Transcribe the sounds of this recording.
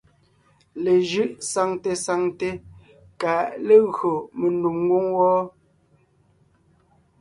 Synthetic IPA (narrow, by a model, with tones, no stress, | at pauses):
le˨ʒɯ˦ʔsa˨ŋte˨sa˨ŋte˦ | ka˨le˦ɣɰo˨me˨nu˨mːwo˦ŋwɔː˦